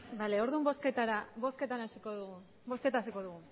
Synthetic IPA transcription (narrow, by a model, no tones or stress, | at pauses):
bale̞o̞ɾðumbo̞sket̪aɾaboske̞t̪anasikoð | bo̞ske̞t̪asiko̞ðuɣu